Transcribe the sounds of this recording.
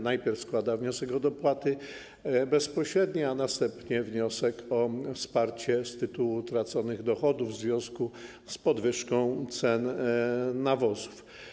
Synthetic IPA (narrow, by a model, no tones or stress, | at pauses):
najpʲjɛɾfskwad̪avɲɔsɛkɔd̪ɔpwat̪ɘ | bɛspɔɕɾɛd̪ɲɛanast̪ɛmpɲɛvɲɔsɛkʰɔfspaɾt͡ɕɛst̪ɘt̪uwut̪ɾat̪sɔnɘɣd̪ɔxɔd̪uvvzvʲjɔ̃w̃sku | spɔd̪vɘʂkɔ̃w̃t̪sɛnː | avɔzu̥f